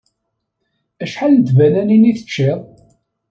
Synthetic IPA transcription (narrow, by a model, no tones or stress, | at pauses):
æʃħaləd̪vænæniniθə̥t͡ʃːɪðˤ